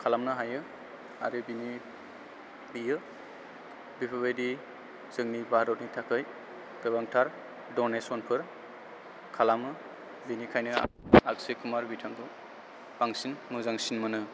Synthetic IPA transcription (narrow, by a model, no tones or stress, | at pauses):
kʰalamnɯɦajɯ | aɾɯbini | dijɯ | bipʰɯbajdi | z̥ɯŋnibaɦaɾɔt̚nitʰakʰɯj | ɡ̥ɯbaŋtʰaɾ | dɔnesɔnpʰɯɾ | kʰalamɯ | binikʰajnɯ̰aksekʰumaɾbitʰampʰɯ | b̥aŋsinmɯzaŋsinmɯnɯ